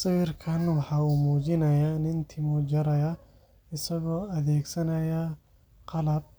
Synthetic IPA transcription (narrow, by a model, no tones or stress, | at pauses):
sɐwirkʰɐnwɑħɑːuːmuːd͡ʒɪnɐjanɪnt̪ʰɪmɔd͡ʒɐɾɐjɐ | ɪsɐɣɔːɐðɛːɡsɐnɐja | qɑlɐb̚